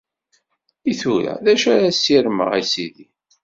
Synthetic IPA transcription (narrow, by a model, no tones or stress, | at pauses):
iθuɾæ̰ðæʃæɾæsːiɾmə̰ʁisiði